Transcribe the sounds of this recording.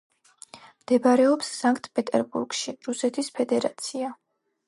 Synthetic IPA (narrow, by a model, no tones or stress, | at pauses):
md̪̥ɛbaɾɛɔpsːaŋkʰʼt̪ʰpʼɛt̪ʼɛ̰ɾbṵɾɡ̥ʃiɾusɛt̪ʰispʰɛd̪ɛɾa̰t̪sʰia